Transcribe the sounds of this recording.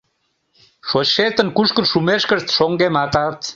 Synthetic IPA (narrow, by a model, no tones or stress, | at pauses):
ʃoɕet̪ənkuʃkənʃumeʃkəʃt̪ʃoŋɡemɑt̪ɑt̪